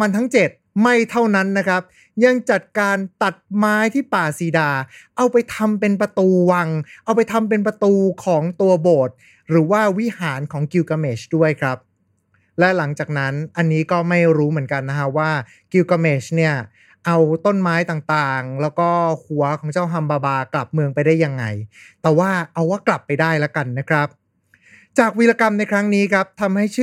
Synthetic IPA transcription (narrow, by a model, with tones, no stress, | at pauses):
a˧nt̪ʰa˦˥ŋt͡ɕe˨˩t̪̚ma˥˩jt̪ʰa˥˩wna˦˥nːa˦˥kʰɾa˦˥p̚ | ja˧ŋt͡ɕa˨˩t̪̚kaː˧nt̪a˨˩t̪̚maː˦˥jt̪ʰiː˥˩paː˨˩siː˨˦daː˧ʔa˧wpa˧jt̪ʰa˧mpe˧np̬a˧t̪uː˧wa˧ŋʔa˧wpa˧jt̪ʰa˧mp̬e˧np̬ɾa˧t̪uː˧kʰɔː˩˦ŋt̪u˧ɐboː˨˩t̪̚ | ɾɯː˩˦waː˥˩wi˦˥haː˩˦nkʰɔː˩˦ŋki˧wka˧meː˨˩t͡ɕdu˥˩əjkʰɾa˦˥p̚ | lɛ˦˥la˩˦ŋt͡ɕaː˨˩k̚na˦˥nʔa˧nːiː˦˥kɔː˥˩ma˥˩jɾuː˦˥mɯ˩˦ənka˧nːa˦˥kʰa˦˥waː˥˩ | ki˧wka˧meː˨˩t͡ɕni˥˩ɐ | ʔa˧wt̪o˥˩nmaː˦˥jt̪aː˨˩ŋt̪aː˨˩ŋlɛː˦˥wkɔː˥˩hu˩˦ɐkʰɔː˩˦ŋt͡ɕaː˥˩wɦa˧mbaː˧baː˧kla˨˩p̚mɯ˧əŋpa˧jdaː˥˩jːa˧ŋːa˧jt̪ɛː˨˩waː˥˩ʔa˧waː˥˩kla˨˩pːa˧jdaː˥˩jla˦˥ka˧nːa˦˥kʰɾa˦˥p̚ | t͡ɕaː˨˩k̚wi˦la˧ka˧mna˧jkʰɾa˦˥ŋniː˦˥kʰa˦˥p̚t̪ʰa˧mha˥˩jt͡ɕʰː